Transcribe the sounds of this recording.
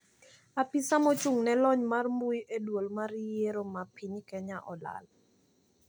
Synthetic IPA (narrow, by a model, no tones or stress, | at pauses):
apisamot͡ʃuŋnɛlɔɲmarmbujʔedwolmaɾjeɾomapʰiɲkɛɲaʔɔla̰l